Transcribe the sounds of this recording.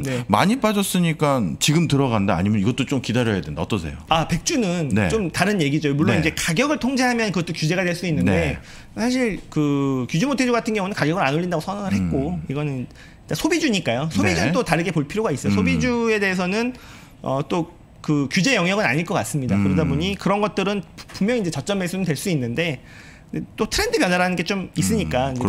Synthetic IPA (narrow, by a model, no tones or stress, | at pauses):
nne̞ma̰ɲip͈ad͡ʑʌs͈ɯɲik͈ant͡ɕiɡɯmtɯɾʌɡandaa̰ɲimjʌniɡʌt͈̚ot͡ɕ͈omkidaɾjʌjadwenda̰ʌt͈ʌs̬ʰe̞̰joape̞k̚t͡ɕ͈unɯnnḛt͡ɕ͈omtaɾɯnje̞ɡid͡ʑojomuɭːonid͡ʑe̞kaɡjʌɡɯɭtʰoŋd͡ʑeɦamjʌnkɯɡʌt͈okʲjud͡ʑe̞ɣadwe̞ɭs͈udoinːɯnde̞ | sʰaɕ̬ʰiɭkɯkjud͡ʑumotʰe̞d͡ʑuɡatʰɯnɡjʌŋunɯnkaɡjʌɡɯɾanoʎːindaɡosʰʌŋaŋɯɭɦe̞t̚k͈oiɡʌnɯn | ik͈asʰobid͡ʑuɲik͈ajosʰobid͡ʑunɯt͈otaɾɯɡe̞poɭpʰiɾjoɡais͈ʌjosʰobid͡ʑue̞de̞ːs̬ʰʌnɯn | ʌ̰t͈o | kɯkjud͡ʑe̞jʌŋjʌɡɯna̰ɲiɭk͈ʌk͈ats͈ɯmɲida̰kɯɾʌdaboɲikɯɾʌnɡʌt̚t͈ɯɾɯnpumjʌŋind͡ʑe̞t͡ɕʌt͡ɕ͈ʌmeɭs͈unɯntweɭs͈udinːɯnde̞ | det͈otʰɯɾe̞ndɯpjʌnaɾanɯnɡe̞t͡ɕomis͈ɯɲik͈aind͡ʑe